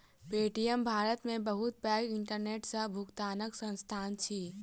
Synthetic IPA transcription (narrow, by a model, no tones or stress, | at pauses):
peːʈijəmbʱaːɾət̪mẽbɐɦʊt̪̚pɛːɾɪ̃ɳʈəɾneːʈsəbʱʊkt̪aːnəksə̃nst̪ʰaːnt͡ʃʰiː